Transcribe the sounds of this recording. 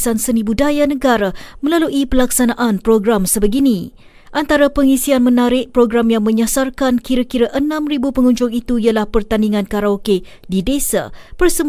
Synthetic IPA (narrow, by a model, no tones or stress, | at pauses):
sansənĩbudajanəɡaɾamə̃laluʔipəlaksanaʔanpɾoɡɾamsəbəɡinĩ | ʔant̪aɾapəŋisianmə̃naɾɪʔ̚pɾoɡɾamjaŋmə̃ɲasarkankiɾakiɾaʔənãmribupəŋuɲd͡ʒʊŋit̪uialahpərt̪andiŋãnkaɾaoke | didesa̰bərsəm